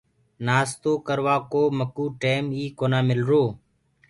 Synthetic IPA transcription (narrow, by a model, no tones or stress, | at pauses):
naːst̪oːkəɾʋaːkoːməkuːʈeːmiːkoːnaːmɪlɾoː